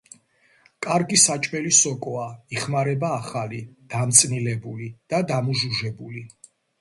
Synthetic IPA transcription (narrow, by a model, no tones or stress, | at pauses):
kʼaɾɡisat͡ʃʼmɛlisɔkʼɔaiχmaɾɛbaːχalid̪̥amt̪sʼnilɛbulid̪̥ad̪amuʒuʒɛbuli